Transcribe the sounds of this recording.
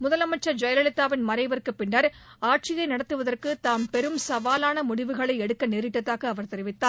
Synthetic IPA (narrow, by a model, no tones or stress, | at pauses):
mʊðɐlɐmɐʈ̚t͡ʃːɐd͡ʒɐjɐlɐɭɪt̪ːaːʋɪnmɐɾɐɪʋɐrkːɯpːɪɳːɐɾaːʈ̚t͡ʃɪjɐɪnɐɽɐt̪ːɯʋɐðɐrkɯt̪aːmpɛɾɯmsɐʋaːlaːnɐmʊɽɪʋɯɣɐɭɐɪɛɽɯkːɐneːɾɪʈːɐt̪ːaːɣɐːʋɐɾt̪ɛɾɪʋɪt̪ːaː